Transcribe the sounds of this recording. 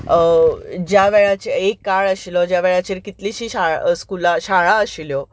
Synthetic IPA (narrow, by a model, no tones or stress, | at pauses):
d͡ʑjaʋɛɭat͡ɕeekːaɭəɕilɔd͡ʑjaʋɛɭat͡ɕeɾkit̪liɕiːɕaskulaɕaɭaəɕiljɔ